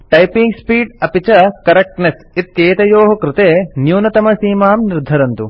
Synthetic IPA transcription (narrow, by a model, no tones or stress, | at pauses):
ʈɐjpiŋɡspiːɖɐpit͡ʃɐkɐɾɐk̚ʈnes | it̪jeːt̪ɐjoːɦɐkɾɪt̪eːnjuːnɐt̪ɐmɐsiːmaːmniɾd̪ʱɐɾɐnt̪u